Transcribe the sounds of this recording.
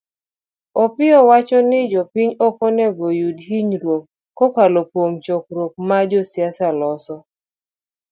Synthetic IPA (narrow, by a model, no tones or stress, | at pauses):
ɔpɪɔwat͡ʃɔnɪd͡ʒɔpiɲɔkɔnɛɡojudhiɲɾwokː | ɔkalopwomt͡ʃɔk̚ɾok̚mad͡ʒɔsjasalɔsɔ